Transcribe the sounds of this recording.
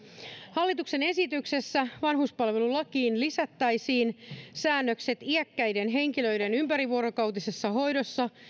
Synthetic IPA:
hɑlːit̪ukse̞ne̞sit̪ykse̞sːæʋɑnɦuspɑlʋe̞lulɑkiːnlisæt̪ːæjsiːnsæːnːøkse̞t̪iækːæjdenɦe̞ŋkilø̞jde̞nympæɾiʋuoɾokɑwt̪ise̞sːɑɦo̞jdo̞sːɑ

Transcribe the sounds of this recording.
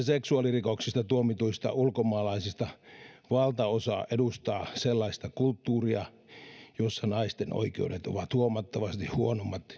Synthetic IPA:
seksuɑlirikoksist̪ɑt̪uomit̪uist̪ɑ̰ulkomɑːlɑisist̪ɑʋɑlt̪ɑosɑ̰ːʔedust̪ɑːselːɑist̪ɑkult̪ːuːriɑ | josːɑnɑist̪eno̰ikḛudet̪o̰ʋɑt̪huomɑt̪ːɑʋɑst̪ihhuonomːɑt̪

